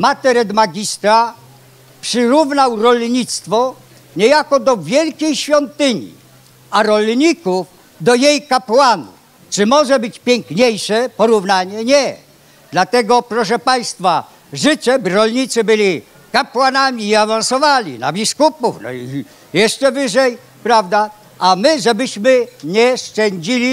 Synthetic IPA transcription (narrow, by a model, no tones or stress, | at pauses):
mat̪ɛɾɛd̪maɡʲist̪ɾa | pʂɘɾuvnawɾɔlɲit̪st̪fɔ | ɲɛjakɔd̪ɔvʲjɛlkʲejɕfʲjɔnt̪ɪɲḭ | aɾɔlɲikuf | d̪ɔjejkapwanṵ | t͡ʂɨmɔʐɛbɘt͡ɕpʲjɛŋkɲejʂɛpɔɾuvnaɲɛɲɛ | d̪lat̪ɛɡɔpɾɔʂ̬ɛpaj̃st̪fa | ʐɘt͡ɕɛbɾɔlɲit̪sɘbɘlʲi | kapwanamʲiːavansɔvalʲḭna̰bʲiskupufnɔ̰i | jɛʂt͡ʂɛvɘʐɛj | pɾavd̪a | amɘʐɛbɘɕmɘɲɛʂt͡ʂɛɲd͡ʑilʲi